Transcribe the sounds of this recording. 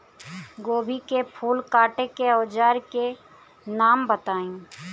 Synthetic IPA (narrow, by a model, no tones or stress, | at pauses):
ɡoːbʱikepʰuːlkaːʈekeɔːd͡ʒaːɾke | naːmbət̪aːĩ